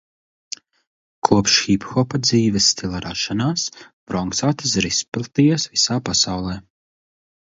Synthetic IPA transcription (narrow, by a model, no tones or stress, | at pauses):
kʰuɔpʃxipxɔpad̪ziːvɛsːt̪ʲilˠaɾaːʃanaːsb̥ɾɔŋksaːt̪ɨ̥s̬ɾispilˠt̪ijasvisaːpasawlˠɛː